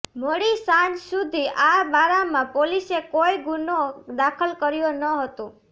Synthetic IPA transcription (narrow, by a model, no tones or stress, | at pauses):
moɽisãnd͡ʒsud̪ʱiʔabaɾamãpolisekoiɡunod̪akʰəlkəɾjonəɦət̪ũ